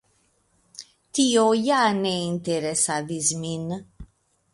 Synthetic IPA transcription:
t̪iojaneint̪eɾesaðizmin

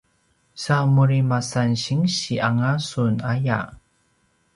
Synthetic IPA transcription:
samuɾimasanɕiŋɕiaŋasunaja̰

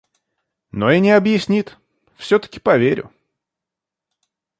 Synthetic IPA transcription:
noinʲɪɐbjɪsʲnʲit̪ | fsʲɵt̪ə̥kʲɪ̥pɐvʲeɾʲʊ̰

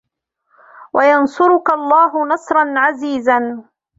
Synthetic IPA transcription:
wajɑnsˤʊɾʊkalˤːɑːɦʊnɑsˤɾˤɑnʕaziːzan

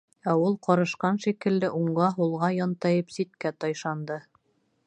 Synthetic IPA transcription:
æulˠqɑɾɤ̆ʃqɑnʃikɘ̆lːɘʔuɴɢɑɦulˠʁɑjɒnt̪ɑjɤpsit̪̚kæt̪ɑjʃɑnd̪ɤ

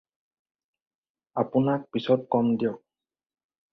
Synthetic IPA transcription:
apʊnak̚pisɔtkɔmdijɔk̚

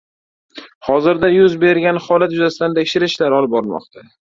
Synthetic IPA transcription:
hɒzɪɾd̪ajʊzbe̞ɾɡʲanχɒlat̪jʊzasɪt̪ant̪ʰekʲʃɪɾɪʃlaɾɒlɪp̚bɒɾɪlmɒ̰qt̪ʰa

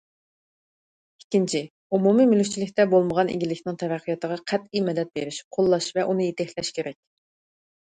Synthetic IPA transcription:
ikʲːint͡ʃʰi | umumimylyk̚ʲt͡ʃʰilɪk̚ʲt̪ɛbolˠməʁɑnḛɡʲilɪkʲnɪŋt̪ʰɛvæqʰːijɑt̪əʁɑqʰæt̪imɛd̪ɛt̪̚beɾɪʃqʰolˠːɑʃvɛʔunɨjet̪ɪhlɛʃkʲʰeɾɛkʲ

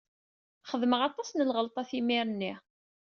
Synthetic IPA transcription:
χəðməʁɑt̪ˤɑsnəlʁəlt̪ˤɑθimiɾənːi

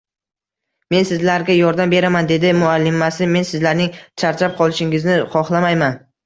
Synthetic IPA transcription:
me̞nsɪzlaɾɡʲajɒɾd̪ambe̞ɾamand̪e̞d̪ɪmʊalːɪmasɪme̞nsɪzlaɾnɪŋt͡ʃʰaɾt͡ʃʰap̚qʰɒlˠɪʃɪŋɪznɪχɒχlˠamajman

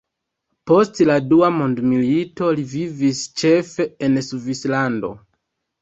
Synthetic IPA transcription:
po̞stladuamondmilito̞livivist͡ʃe̞fe̞ensuvislando̞̰

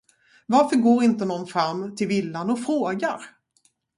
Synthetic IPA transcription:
vaɾfœɾɡoːɾɪnt̪ənɔnfɾamːt̪ʰɪlvɪlːanɔfɾoːɡaɾ

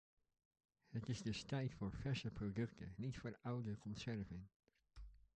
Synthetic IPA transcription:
hətɪsdəstɛjtfɔɹfɛsəpʰrodɵktʰə̰nitfoːɹawdəkʰɔnsɛɹvɪn

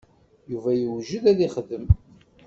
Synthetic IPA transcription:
juvæjəwʒəðæðiχəðəm

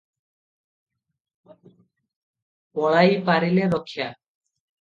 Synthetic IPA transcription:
pɔɭajpaɾileɾokʰːja

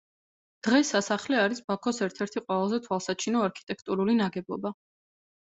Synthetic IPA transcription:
d̪̥ʁɛsːasaχlɛaɾisbakʰɔsɛɾt̪ʰɛɾt̪ʰiqʼwɛlˠazɛt̪ʰwalˠsat͡ʃʰinɔaɾkʰi̥t̪ʼɛkʰt̪ʼuɾulinaɡɛbɔ̰ba

